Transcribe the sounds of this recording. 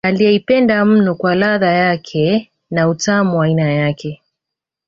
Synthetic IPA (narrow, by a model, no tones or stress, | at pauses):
alijɛipɛndam̩nɔkwalaðajakʰɛ | nautamuwainajakʰɛ